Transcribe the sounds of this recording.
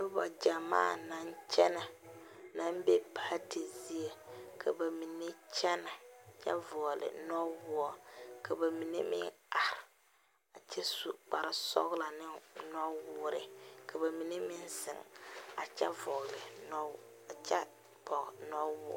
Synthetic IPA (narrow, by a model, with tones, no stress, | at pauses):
bʊ˦bɔ̰˨d͡ʒa˨ma̰ː˦˨na˦nt͡ʃɛ˦na˨ | na˦m˦be˦pa˦ti˨zi˦e˨kʰa˨ba˨mi˨ne˦t͡ʃɛ˦na˨t͡ʃɛ̰˦vɔ˨ɣlɪ̰˨nɔ˦wʊ˦ɔ˨kʰa˨ba˨mi˨ne˦mɪ̰˦ŋa˨ɾɪ˨ | a˨t͡ʃɛ˦su˨k͡pa˨ɾɪ˦sɔ̰˦ɣla˨nɪ˦nɔ˦wʊː˦ɾɪ̰˨ka˨ba˨mi˨ne˦mɪ˦nsɪ̰˨ŋ˨a˨t͡ʃɛ̰˦vɔ˨ɣlɪ˨nɔ˦ | a˨t͡ʃɛ̰˦ | pɔ˨ɣnɔ˦wʊ˦ɔ̰˦